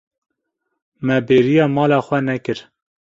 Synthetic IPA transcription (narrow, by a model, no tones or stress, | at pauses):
mɛbeːɾijɑːmɑːlɑːxʷɛnɛkɨɾ